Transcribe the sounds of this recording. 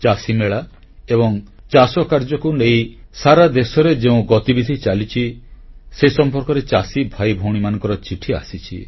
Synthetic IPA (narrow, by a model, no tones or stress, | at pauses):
t͡ʃasimeɭa | ebɔŋ | t͡ʃasɔkaɾd͡ʒɔkunejsaɾad̪esɔɾed͡ʒeũɡɔt̪ibid̪ʱit͡ʃalit͡ʃʰisesɔmpɔɾkɔɾet͡ʃasibʱajbʱowɽ̃imanɔ̃ŋkɔɾɔt͡ʃiʈʰia̰sit͡ʃʰḭ